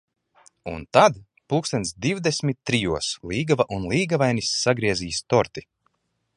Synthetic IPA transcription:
ṵnt̪ad̪ | puksɛnʲd̪iwd̪esʲmʲit̪ːɾijuɔsliːɡavaʔunlˠiːɡavajnisːaɡɾiɛziːst̪ɔɾt̪i̥

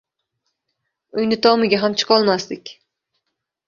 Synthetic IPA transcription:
ujnɪt̪ʰɒmɨɡʲaɦamt͡ʃʰɨ̥qɒlˠmast̪ɪkʲ

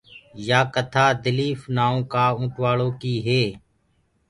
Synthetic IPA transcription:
jaːkət̪ʰaːd̪ɪliːfnaːõːkaːũːʈʋaːɭoːkiːɦeː

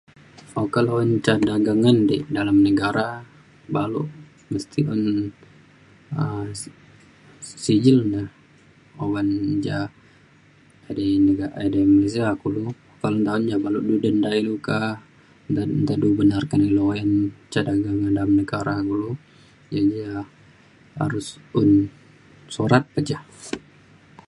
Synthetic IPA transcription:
okaloɛnt͡ʃadaɡaŋandɛʔdalamnəɡaɾa | balṵʔ | məst̪iʔɔn | ə | sid͡ʒɪlndah | owand͡ʒa | adenəɡaademales̬iakulu | kalənt̪aʊnd͡ʒabaluʔdudəndailuka | nt̪adubənarkanilojant͡ʃadaɡaɡadalamnəɡaɾakulu | d͡ʒad͡ʒa | a̰ɾʊsun | soɾat̪̚pad͡ʒah

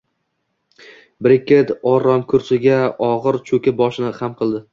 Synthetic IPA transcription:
bɾɪkʲʰet̪ɒɾɒmkʰʊɾsɪɡʲaɒʁɨɾt͡ʃʰɵkʲabɒʃɪnɪhamqʰɨlˠd̪ɪ

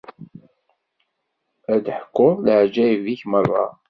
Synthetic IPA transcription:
æd̪ħkːʊlʕd͡ʒæjviçmərˤːɑ̰

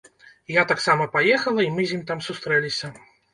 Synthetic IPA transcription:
jat̪aksamɐpajɛxɐlˠɐimɨzʲnʲimʲt̪amsust̪ɾɛlʲisʲɐ

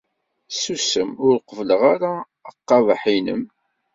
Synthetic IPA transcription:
susəmʊɾqəvləʁaɾaː | qːɑvaħinə̰m

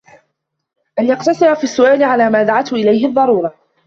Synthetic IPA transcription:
ʔanjɑqt̪ɑsˤɨɾafiːsːʊʔaːlɪʕalaːmaːd̪aʕat̪hʊʔɪlajhɪðˤːɑɾˤuːɾˤɑ

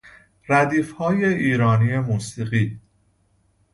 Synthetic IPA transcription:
ræd̪iːfhɒːjeiːɾɒːniːe̞muːsiːɣiː

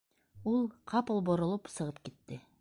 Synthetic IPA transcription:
ulˠqʰɑpɤlˠbŏɾŏlˠɤpsɤ̆ʁɤp̚kit̪ːɘ

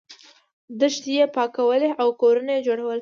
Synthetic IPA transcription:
d̪əʃt̪jepɑkawəleʔawkoɾanajd͡ʒoɽawəl

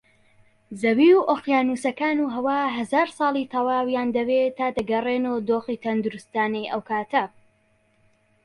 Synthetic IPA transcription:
zɐwiuʔoχjaːnuːsɐkaːnuɦɐwaːɦɐzaːɾsˤɑːlˠit̪ʰɐwaːwjaːnd̪ɐwet̪aːd̪ɐɡɐreːnod̪oːχiːt̪ʰɐnd̪uɾust̪aːnɛjʔɐwkʰaːt̪ʰɐ

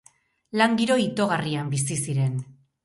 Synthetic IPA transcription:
laŋɡiɾo̞it̪o̞ɣariambis̬isiɾe̞n

